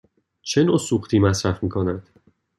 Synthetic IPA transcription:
t͡ʃʰe̞nosuːxt̪ʰiːmæsɾæfmiːkʰonænd̪̥

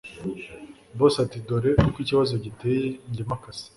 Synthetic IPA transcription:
bosatidoɾekukwiːciβazoɟiteːjeiɲɟemakasi̥

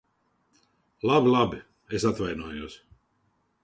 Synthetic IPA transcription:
lˠabilˠabi | esat̪vajnuɔjuɔsʲ

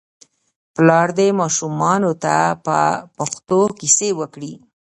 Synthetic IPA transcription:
plɑɾd̪emɑʃumɑnot̪apə̰paxt̪okisewəkɽi

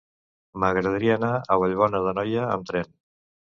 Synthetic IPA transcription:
məɣɾəð̞əɾiəːnaəβəʎβ̞ɔnəðənɔjəə̰mt̪ɾɛn

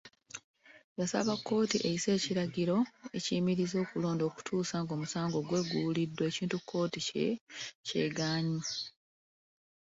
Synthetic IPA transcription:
jasa̰βakːo̞ːtiʔejise̞ːciɾaɟiɾo̞e̞cimiɾizo̞ːkulo̞ːndo̞ːku̥tʰuːsaːŋɡo̞ːmusaːŋɡo̞ːɡwe̞ːɡulidːweeciːntukʰːo̞ːtic | ce̞̰ːɡaːɲi

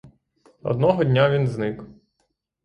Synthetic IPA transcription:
ɔ̰d̪nɔɦɔdʲnʲaʋʲinznɪk

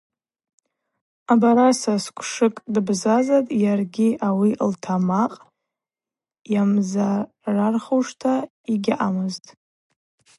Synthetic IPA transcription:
abaɾasaskʷʰʂɨkʼdɨbzazatʼjarɡʲiʔawiltʰamaqʼ | jamza | rarχowʂtʰa | iɡʲaʔamɨztʼ

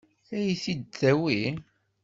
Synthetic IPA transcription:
æjiθid̪θæwi

